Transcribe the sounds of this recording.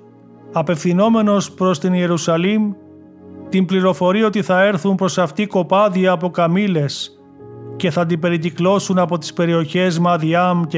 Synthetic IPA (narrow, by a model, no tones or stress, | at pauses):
ɐpe̞fθino̞me̞no̞spɾo̞st̪inie̞ɾusɐlim | t̪imbliɾo̞fo̞ɾio̞t̪iθɐe̞ɾθumpɾo̞sɐft̪iko̞pɐðiɐːpo̞kɐmile̞s | ce̞θɐːnd̪ibe̞ɾiciklo̞sunɐpo̞t̪i̥spe̞ɾio̞çe̞zmɐðiɐm